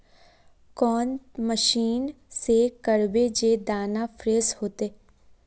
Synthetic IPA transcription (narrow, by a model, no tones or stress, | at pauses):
kɔːnməʃiːn | sekəɾbed͡ʒed̪aːnafʰɾeːshoːt̪eː